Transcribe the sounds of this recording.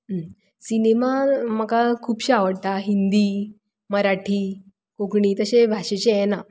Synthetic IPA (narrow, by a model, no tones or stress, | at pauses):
sinemaməkakʰuːpɕaʋəɽt̪aɦind̪iː | məɾaʈʰiː | koɡɳiːt̪əɕebʱaɕet͡ɕejɛna